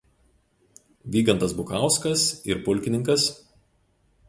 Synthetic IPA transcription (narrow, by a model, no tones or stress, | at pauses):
ʋʲiːɡɐnt̪ɐsbʊkɑˑʊskɐsɪɾpʊlʲˑkʲɪnʲɪŋkɐs